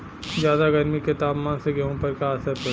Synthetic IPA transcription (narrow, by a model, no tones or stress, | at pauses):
d͡ʒjaːd̪aɡɐɾmiket̪aːpmaːnseɡɐɦõpɐɾkaːsəɾpɐ